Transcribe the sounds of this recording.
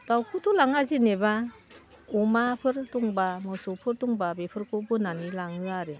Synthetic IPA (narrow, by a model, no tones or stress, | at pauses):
ɡ̥awkʰutʰulaŋazineba | umapʰɯɾtɔŋbamɯsɔpʰɯɾtuŋbabepʰɯɾkʰɔbɯnanilaŋɯaɾɯ